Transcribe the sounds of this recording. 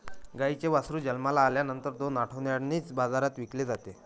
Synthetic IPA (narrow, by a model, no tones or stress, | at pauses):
ɡait͡ɕeʋasɾuːd͡ʑəlmalaːljanənt̪əɾd̪onaʈʰəʋnjaɽniːt͡sbad͡zaɾat̪ʋikled͡zat̪e